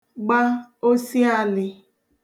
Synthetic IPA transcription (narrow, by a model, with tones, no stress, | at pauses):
ɡ͡ba˦o˦si˦a˦lɪ˨